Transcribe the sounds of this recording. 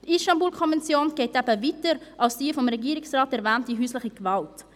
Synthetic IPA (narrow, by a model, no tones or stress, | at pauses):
tʔɪʃtɑmbuːlkʰɔnvɛnt͡sjoːnɡ̥eɪtɛbəviːtəɾʔɑlsd̥iːfɔmɾɛɡiːɾɪksraːtɛɾvɛːnt̚d̥iɦyːslɪχəɡ̥vɑlt